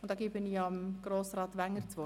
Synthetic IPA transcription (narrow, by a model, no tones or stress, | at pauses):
ʊntd̥ɑːɡiːbɪniɑmɡ̥ɾoːsrɑːt̪ʋæŋːəɾt͡sʋo